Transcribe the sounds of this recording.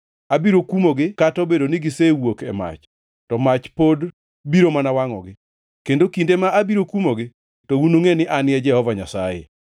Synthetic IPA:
abiɾokumoɡɪkatɔbedonɪɡɪsewokɛ̰ma̰t͡ʃ | tɔmat͡ʃpod | biɾomanawaŋɔ̰ɡɪ | kendokindemaʔabiɾokumoɡɪ | tɔunoŋenɪʔanɪɛd͡ʒɛhɔvaɲasajɛ̰

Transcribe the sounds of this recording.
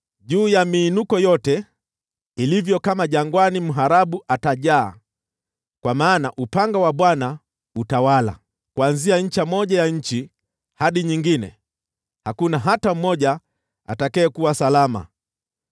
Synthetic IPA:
ʄuːjamiːnukɔjɔtɛ | ilivjɔkamaʄaŋɡwanim̩ɦaɾaɓuʔataʄaː | kwamaːnaʔupaŋɡawaɓwana | utawala̰ | kwanziaɲ̩t͡ʃamɔʄajaɲ̩t͡ʃi | haɗiɲiŋɡinɛ̰ | hakunaɦatam̩mɔʄa | a̰takɛːkuwasalama̰

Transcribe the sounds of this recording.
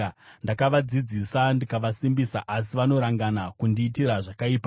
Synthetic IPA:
ndakaʋad͡zid͡zisandikaʋasimbisaʔas̬iʋano̞ɾaŋɡanakundiːtiɾaʐakaiːpa

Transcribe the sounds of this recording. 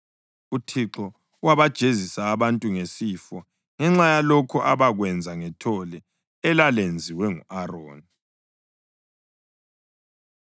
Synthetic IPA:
utʰiǁɔ | uwaβad̥ʒ̥ʱezisaːβantʼuŋesiːfɔ | ŋɛŋ͡ǁajalɔkʰɔʔaβaɣwɛnd͡zʱaŋɛtʰɔlɛ | ɛlalend͡zʱiwɛŋṵʔaroːni

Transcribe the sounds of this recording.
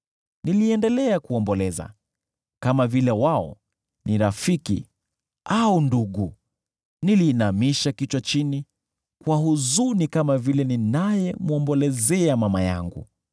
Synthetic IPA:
niliɛndɛlɛakuɔmbɔlɛza̰ | kamavilɛwaɔ̰ | niɾafikḭ | aunduɠu | nilinamiʃakit͡ʃwat͡ʃini | kwahuzunikamavilɛninajɛmuɔmbɔlɛzɛamamaja̰ŋɡṵ

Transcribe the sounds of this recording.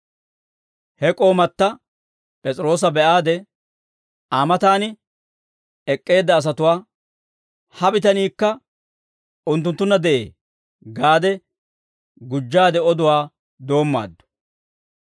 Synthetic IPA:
hɛkʼo̞ːmɐt̪ːɐ | pʼɛt͡sʼɾo̞ːs̬ɐbɛʔaːd̪ɛ | aːmɐt̪aːnɪ | ɛkʼːe̞ːd̪ːɐːs̬ɐt̪ʊwaː | hɐbɪt̪ɐniːkːɐ | ʊnt̪̬ːʊnt̪ːʊnːɐd̪ɛʔḛː | ɡaːd̪ɛ | ɡʊd͡ʒːaːd̪ɛɔd̪ʊwaː | d̪o̞ːmːa̰ːd̪ːʊ̥

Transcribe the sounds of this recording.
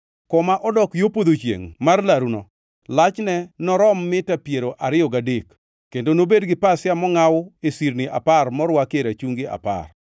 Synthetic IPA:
kɔmaʔɔdɔkjopod̪ot͡ʃjḛŋmarlaɾunɔ̰ | lat͡ʃnɛnɔɾɔmːɪtapjeɾoʔaɾɪjɔɡadekː | endonobedɡɪpasɪamɔŋawʊesirniʔa̰parmɔɾwakeɾat͡ʃuŋɡeʔa̰pa̰r

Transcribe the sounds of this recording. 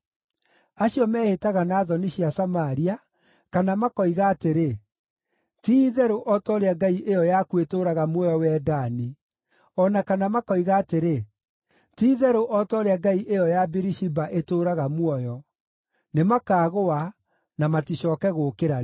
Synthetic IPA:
aɕiɔmɛhetaɣanaːðɔniɕiasamaɾia | kanamakɔiɣaːteɾe | tiðɛɾoʔɔtɔɾeaɡaiʔejɔjakuetoːɾaɣamwɔjɔwɛːdani | ɔnakanamakɔiɣaːteɾe | tiːðɛɾoʔɔtɔɾeaɡaiʔejɔjabiɾiʃibaʔetoːɾaɣamwɔjɔ | nemakaːɣoa | namatiɕɔːkɛɣokeɾa

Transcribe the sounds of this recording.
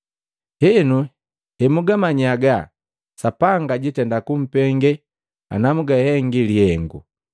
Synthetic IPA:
hɛnu | hɛmuɡamaɲiaɡa | sapaŋɡaɟitɛndakum̩pɛŋɡɛ | a̰namuɡahɛŋɡiliɛŋɡṵ

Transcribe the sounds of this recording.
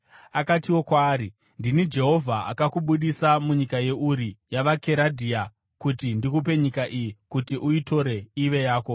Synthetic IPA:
akatiwo̞kwaːɾi | ndinid͡ʒe̞ɦo̞vʱaa̰kakuɓuɗisamuɲikaje̞ʔuɾijaʋake̞ɾadʱia | kutindikupe̞ɲikaʔijikutiʔuito̞ɾe̞iʋe̞jaːko̞

